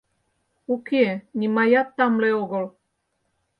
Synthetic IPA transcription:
okenʲimajat̪ːɑmleoɣə̆l

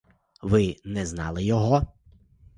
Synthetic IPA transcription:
ʋɪnɛznɑlˠɪjɔɦɔ

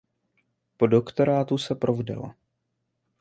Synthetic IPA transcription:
podokt̪o̞ɾaːt̪usɛpɾʔovdɛ̰la̰

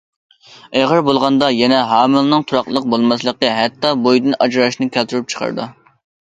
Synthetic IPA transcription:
eʁəɾbolˠʁɑnd̪ɑjɛnɛɦɑːmɨlˠnɨŋt̪ʰuɾɑqlˠəq̚bolˠmɑslˠəqːəɦɛt̪ːɑbojd̪ɨnɑd͡ʒɾɑʃnɨkʲʰælt̪ʰyɾyp̚t͡ʃʰə̥qʰɑ̰ɾd̪ṵ

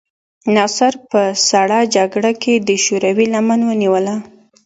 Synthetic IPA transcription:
nɑsaɾpəsaɽɑd͡ʒaɡɽakʰed̪əʃoɾawilamanwəniwəla

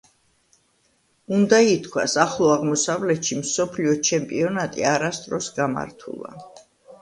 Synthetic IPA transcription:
und̪ait̪ʰkʰwa̰saχlˠɔaʁmɔsavlɛt̪ʃimsɔpʰliɔt͡ʃʰɛmpʼiɔnat̪ʼḭaɾast̪ʼɾɔsɡama̰ɾt̪ʰṵlˠa̰

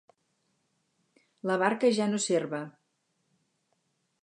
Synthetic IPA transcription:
ləβaɾkəʒanoserβə

